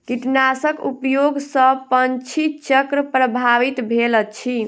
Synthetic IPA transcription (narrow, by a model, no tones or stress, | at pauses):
kiʈnasəkupjoɡsə̃pənt͡ʃʰit̪t͡ʃəkɾəpɾəbʱaʋit̪bʱelət͡ʃʰi